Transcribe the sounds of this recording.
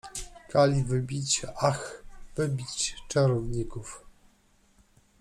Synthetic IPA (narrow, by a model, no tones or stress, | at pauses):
kalʲivɘbʲit͡ɕaxvɘbʲit͡ɕt͡ʂaɾɔvɲikuf